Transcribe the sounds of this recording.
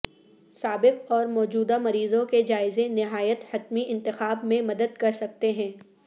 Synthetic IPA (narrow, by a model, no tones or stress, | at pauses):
saːbɪq̚ɔːɾmɔːd͡ʒuːd̪amɐɾiːzõked͡ʒaːɪzẽnɪɦaːjət̪hɐt̪miʔɪ̃nt̪ɪxaːbmẽmɐd̪əd̪kɐɾsɐk̚t̪eɦɛ̃ː